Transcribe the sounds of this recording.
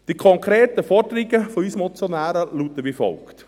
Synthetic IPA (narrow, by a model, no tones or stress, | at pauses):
d̥ikʰɔŋkɾeːt̪əfɔrdəɾɪɡəfɔysəmɔt͡sjɔnæːɾəlut̪əʋifɔ̰lkt̪